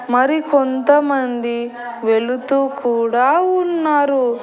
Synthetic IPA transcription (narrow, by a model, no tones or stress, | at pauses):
mɐɾikont̪ɐmɐnd̪i | ʋe̞ɭut̪uːkuːɽaːunːaːɾu